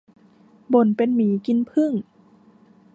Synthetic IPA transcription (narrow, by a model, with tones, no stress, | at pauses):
bo˨˩˦npe˧˨nmiː˨˦ki˧˥˦npʰɯ˧˥˨ŋ